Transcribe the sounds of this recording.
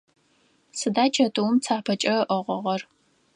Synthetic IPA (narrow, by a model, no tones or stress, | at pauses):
sɨdaːt͡ʃʰɐtʼɨwmt͡sʰaːpʰɐt͡ʃʼɐʔəʁʷɔʁɐr